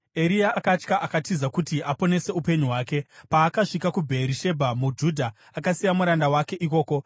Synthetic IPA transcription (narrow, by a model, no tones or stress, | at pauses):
e̞ɾijaːkat͡ʃkaʔakatizakutiapo̞ne̞se̞upe̞ɲuɦwaːke̞paːkaʂikakubʱe̞ɾiʃe̞bʱamud͡ʒudʱa | akasijamuɾandawake̞ʔiko̞ːko̞